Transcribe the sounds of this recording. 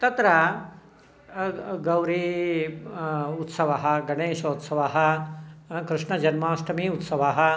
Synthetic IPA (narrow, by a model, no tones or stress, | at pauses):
t̪ɐt̪ɾɐ | ɡɐwɾi | ut̪sɐʋɐɦɐɡɐɳeːʃoːt̪sɐʋaɦɐ | kɾɪʂɳɐd͡ʒɐnmaːst̪ʰɐmiut̪sɐʋaɦɐ